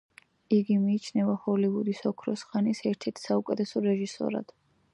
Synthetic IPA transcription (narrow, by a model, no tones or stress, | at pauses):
iɡimiːt͡ʃʰnɛvaχɔliud̪isɔkʰɾɔsχanisɛɾt̪ʰɛɾt̪ʰsaukʼɛt̪ʰɛsɔɾɛʒisɔ̰ɾa̰d̪̥